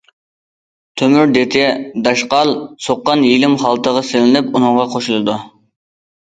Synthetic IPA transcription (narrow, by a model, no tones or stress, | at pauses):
t̪ʰømyɾd̪et̪ʰɪd̪ɑʃqɑlˠsoqːɑnjilɪmχɑlˠt̪ʰəʁɑsɪlɪnɪpunɨŋʁɑqʰoʃulˠɨd̪u